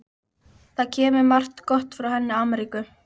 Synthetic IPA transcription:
θaðcʰɛːmɪɾmar̥t̪kɔht̪fɾawhɛnːɪamɛɾiːkʏ

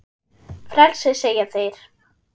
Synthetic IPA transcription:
fɾɛlsɪseːjaθejɾ̥

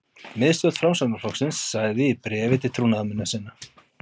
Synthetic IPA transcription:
mɪðst̪œt̪fɾawmsanaflɔksɪnsːaːɣðɪipɾɛːvɪt̪ʰɪlt̪ʰɾuːnaðmɪnːasɪnːa

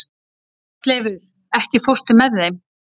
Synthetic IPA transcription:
kleːvʏð | ɛhcɪfowr̥t̪ʏmːɛðːejm

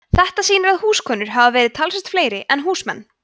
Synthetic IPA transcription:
θɛht̪asiːnɪɾaðhuːskʰœːnʏɾ̥ɦavavɛːɾɪð̥t̪ʰalsɛst̪fleːjɾɪʔɛnɦuːsmɛ̰nː

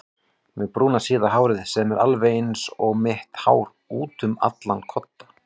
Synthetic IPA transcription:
mɛpɾuːnasiːðaɦaːwɾɪðsɛmɛɾʔalveejnsɔɣmɪht̪ha̰wɾ | uːt̪ʏma̰t̪lankʰɔt̪ːḁ

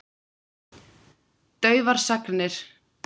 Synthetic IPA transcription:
t̪œːɥvaɾ̥saknɪɾ̥

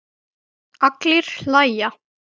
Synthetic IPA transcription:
aklɪɾ̥l̥aːjja

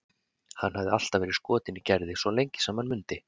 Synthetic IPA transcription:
hanːhavðɪal̥t̪avɛːɾɪð̥skɔːt̪ɪnicɛɾðɪsvɔlejɲcɪ̥saːmanmʏnt̪ɪ

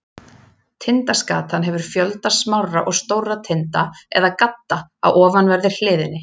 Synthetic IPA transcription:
t̪ʰɪnt̪askaːt̪anɦɛvʏɾ̥fjœlt̪asmawra̰ʔɔɣst̪oːwrat̪ʰɪnt̪aɛ̰ðakat̪ːaa̰wʔɔːvanvɛɾðɪɾ̥l̥ɪːðɪnːɪ

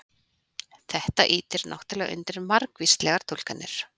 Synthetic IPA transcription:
θɛht̪aʔiːt̪ɪɾnʔa̰wht̪ɪlɛɣʔʏ̰nt̪ɪɾmaɾkvist̪lɛɣaɾ̥t̪ʰulkanːɪ̰ɾ̥

